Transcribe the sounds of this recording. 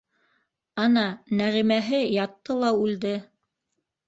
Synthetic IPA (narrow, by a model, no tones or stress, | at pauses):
ɑnɑnæʁimæɦɘjɑt̪ːɤlˠɑʉld̪ɘ